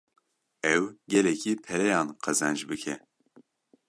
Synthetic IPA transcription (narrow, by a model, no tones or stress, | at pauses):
ɛwɡɛlɛkʰipʰɛɾɛjɑːnqʰɛzɛnd͡ʒbɨkʰɛ